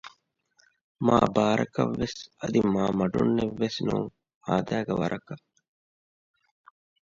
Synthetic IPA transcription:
maːbaːɾɐ̰kɐʋːesɐd̪imaːmɐɖunːeʋːesnuŋ | haːd̪æːɡeʋɐɾʔɐkɐ

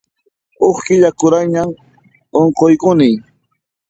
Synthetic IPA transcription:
oχkɪʎakʊɾajɲam | oɴqojkʊnɪj

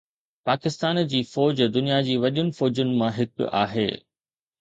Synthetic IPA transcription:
paːkɪst̪aːnd͡ʑiːfɔːd͡ʑd̪ʊnijad͡ʑiːʋɐɗʊnɪ̆fɔːd͡ʑʊnɪ̆mãɦɪkʊ̰a̰ːɦḛː

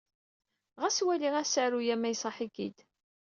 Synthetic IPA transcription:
ʁæswæliʁæsəʕɾujæmæjsˤɑħiɡḭd̪

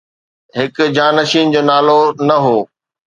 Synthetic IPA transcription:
ɦɪkʊ̆d͡ʑaːnɐʃiːnd͡ʑoːnaːlonɐɦoː

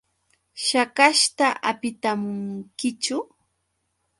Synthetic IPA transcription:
ʃakaʃt̪aʔapɪt̪amʊŋkɪt͡ʃʊ

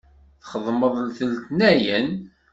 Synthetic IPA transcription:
θχəðˤməðˤlθəlt̪næjən

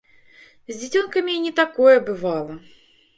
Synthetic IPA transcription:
zʲd͡zʲit͡sʲɔnkɐmʲinʲɛt̪akɔjɛbɨvalˠɐ

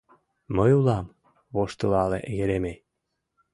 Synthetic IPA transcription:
məjulɑm | βoʃt̪əlɑlḛʔɣeɾeme

